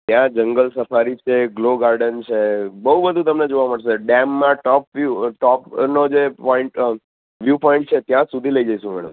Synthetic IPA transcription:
t̪jãd͡ʒəŋɡəlsəfaɾit͡ʃʰeɡloɡaɾɖənt͡ʃʰebəɦubəd̪ʱũt̪əmned͡ʒoʋaməɽseɖɛmːãʈɔpʋjuʈɔpnod͡ʒepɔiɳʈ | ʋjupɔĩɳʈ̚t͡ʃʰet̪jãsud̪ʱiləid͡ʒaiʃũmɛ̰ɽə̰m

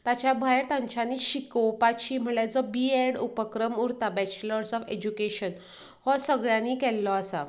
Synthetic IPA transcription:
t̪at͡ɕjabʱajɾt̪ãɲt͡ɕaniɕikɔwpat͡ɕiːm̤əɭɛd͡zɔbieɽupəkɾəmuɾt̪abɛt͡ɕləɾsɔfed͡ʑukeɕən | hɔsəɡɭjãnikɛlːɔasa

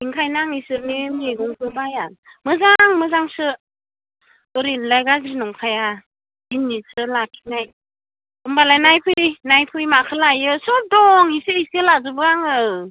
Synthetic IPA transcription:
iŋkʰajnaŋisɯɾnemiɡɔŋpʰɯbajamɯzaŋmɯzaŋsɯ | ɯɾinlajɡazɾinɔŋkʰaja | inːisɯlakʰi̥naj | ɯmbalajnajpʰɯinajpʰɯjmakʰɯlajɯsɔp̚dɔŋiseisɯlazɯbɯaŋɯ

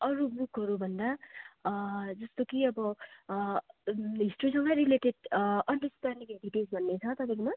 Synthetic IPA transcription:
ʌɾubukɦʌɾubʱʌnd̪a | d͡zʌst̪okiʌbʌ | ɦisʈusʌŋɡʌɾileʈeɖʌnɖʌsʈanikeɖiʈisbʱʌnːet͡sʰʌt̪ʌpajkoma

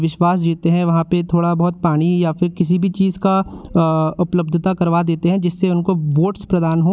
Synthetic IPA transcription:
ʋɪʃʋaːs̬d͡ʒiːt̪eɦɛ̃ʋɐɦãpet̪ʰoːɽabɔɦt̪̚paːɽ̃ijafɪɾkɪs̬ibʱit͡ʃiːzka | ʊpləb̚d̪ʱət̪akɐɾʋad̪eːt̪eɦɛ̃d͡ʒɪsːeʊnkoʋoːʈspɾɐd̪aːnɦõː

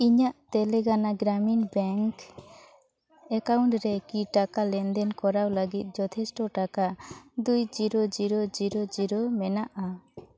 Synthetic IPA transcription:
iɲaʔt̪ɛlɛɡanaɡɾaminbɛŋk | ɛkawɳʈɾɛkiʈakalɛnd̪ɛnkɔɾawləɡit̪̚ˀd͡ʒɔt̪ʰɛsʈɔʈakad̪ujd͡ʒiɾɔd͡ʒiɾɔd͡ʒiɾɔd͡ʒiɾɔmɛnaʔa

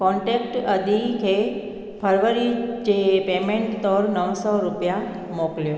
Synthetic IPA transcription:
kɔɳʈekʈəd̪ʱikʰe | pʰəɾʋəɾid͡ʒepemeɳʈt̪ɔɾnəʋsɔɾupja | mokljo

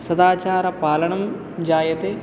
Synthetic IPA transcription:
sɐd̪aːt͡ʃaːɾɐpaːlɐɳɐm | d͡ʒaːjɐt̪eː

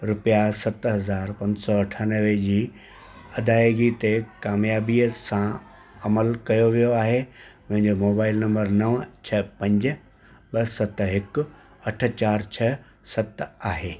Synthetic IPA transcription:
ɾʊpjasɐt̪ɦɐzaːɾpɐ̃ɲsɔɐʈʰanəʋed͡ʑiː | ɐd̪ʱaːjɡit̪ekaːmjaːbisã | ɐməlkɐjoʋijoaːɦemɐ̃ɦɪ̃ɲd͡ʑomoːbaːɪlnɐ̃mbəɾnɐʋt͡ɕʰɐpɐ̃ɲd͡ʑ | ɓɐsɐt̪ɦɪkʊ | ɐʈʰə̆t͡ɕaːɾt͡ɕʰɐ | sɐt̪aːɦeː

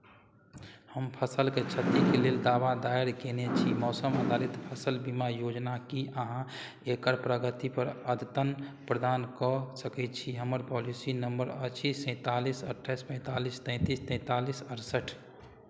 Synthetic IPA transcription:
həmpʰəsəlket͡ʃʰət̪ikeleld̪aʋad̪aeɾkenet͡ʃʰimɔːsəməd̪ʱalit̪pʰəsəlbimajod͡ʒnakiʔəɦã | ekəɾpɾəɡət̪ipəɾəd̪t̪ənpɾəd̪aːnkɔsəkɛt͡ʃʰiɦəməɾpɔlisinəmbəɾəʃʰisɛ̃ːt̪alisə̰ʈʰːajspə̃t̪alist̪ɛ̃ɪ̃t̪ist̪ɛ̃ːt̪alisəɾsəʈʰ

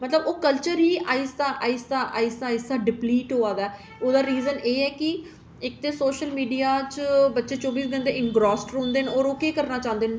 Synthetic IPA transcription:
mət̪ləboːkəlt͡ʃəɾɦiːʔaːisd̪aːʔaːisd̪aːʔaːisaːisaːɖɪpliːʈɦoːãːd̪aː | oːd̪aːɾiːzəneːɛːki | ɪk̚t̪eːsoːʃəlmiːɖijaːt͡ʃbətːʃeːt͡ʃɔːbiːsɡə̃nd̪eɪŋɡɾɔːsʈɾõːnd̪eːnoːɾoːkeːkəɾnaːt͡ʃãːnd̪eːn

